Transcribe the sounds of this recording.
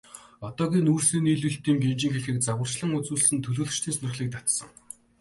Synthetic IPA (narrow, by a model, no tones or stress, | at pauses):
ɔt̪ɔːɣʲiːnuːrsiːniːɮuɮt̪iːŋɡemt͡ɕɪ̆ŋxeɮxĭk̚t͡sawə̆r̥t͡ɕɮə̆ŋʊt͡suːɮ̆sɘ̆nt̪ʰɵɮoːɮ̆t͡ɕt̪ʰiːnsnɵ̆rχɮiːk̚t̪at̪sə̰̆ŋ